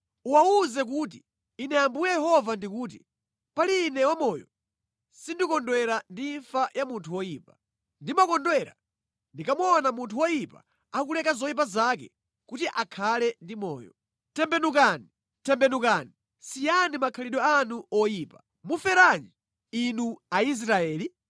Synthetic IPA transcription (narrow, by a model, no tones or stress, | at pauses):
uwauzɛk̬uːt̬iː | nɛjambujɛjɛhɔvandikuːt̬i | paliːnɛwamɔːjɔ̰ | sindikɔndwɛɾandiɱfajamuntʰuwɔjiːpḁ | ndimakɔndwɛɾa̰ | ndikamɔnamuntʰuwɔjipa̰ː | kulɛkazɔjip̬azakɛ̰ | kutiʔakʰalɛndimɔ̰ːjɔ | tɛmbɛnukani | tɛmbɛnukani | sijanimakʰaliɗɔanuɔjiːpa | mufɛɾaɲi | inuais̬ɾaɛːli